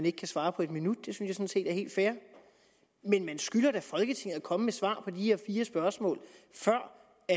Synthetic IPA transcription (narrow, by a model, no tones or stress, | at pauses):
ne̝ɡ̥əkʰæsʋɑ̈ːpʰɒ̽e̝d̥minud̥̚d̥e̝synsjɑ̈sɒ̽n̩se̝̰ːd̥æɐhe̝̰ːld̥fæːɐ | menmænsɡ̥ylɐd̥æfɒ̽lɡ̥ət͡sʰe̝ŋ̰ð̩ˠækʰɒ̽məmesʋɑ̰̈ːpʰɒ̽d̥iheɐ̰fiːɐsb̥ɶɐsmɔ̰ːlfɶɐ̰ | æ